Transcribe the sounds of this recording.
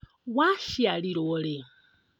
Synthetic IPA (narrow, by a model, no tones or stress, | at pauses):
waʃialiɾole